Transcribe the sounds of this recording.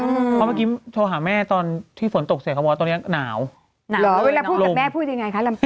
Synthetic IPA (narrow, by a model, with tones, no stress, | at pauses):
ɯː˧ɔ˦˥maː˥˩kiː˦˥t͡ɕ̪ʰoː˧ɦaː˩˦mɛː˥˩t̪ɔː˧nt̪ʰiː˥˩fo˩˦nt̪o˨˩k̚s̚kʰaː˥˩ɔː˧n˦˥ɐnaː˩˦w | naː˨lɔː˨˦weː˧laː˧u˥˩lo˨˧˩mɛː˥˩pʰuː˥˩t̪̚ja˧ŋa˧jkʰa˦˥la˧m